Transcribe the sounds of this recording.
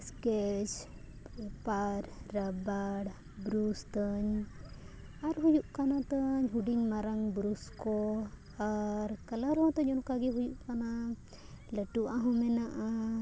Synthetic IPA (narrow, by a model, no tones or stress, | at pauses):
skɛt͡ʃ | paɾɾabaɽ | bɾust̪əɲ | aɾɦujuʔkanat̪əɲɦuɖiɲmaɾaŋbɾuskɔ | aɾkəlaɾɔ̃t̪əɲɔnkaɡɛɦujuʔkana | ləʈuʔaɦɔ̃mɛnaʔa